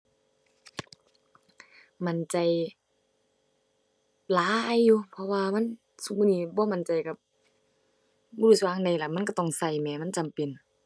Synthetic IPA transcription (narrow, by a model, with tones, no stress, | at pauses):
ma˧˨nt͡ɕa˧˩j | laː˧˦˨jːuː˧pʰɔ˧waː˧ma˧˥˨n | su˧muː˧˨niː˧˩bɔː˧˦ma˧˨nt͡ɕa˨jka˧˩p̚ | bɔː˧˨u˧˩su˧waː˧˨ŋda˧˩jla˧˩ma˧˥˨nka˧˩t̪ɔ˧˩ŋsa˧˩jmɛː˧˩˨ma˧˥˨nt͡ɕa˨mpe˨n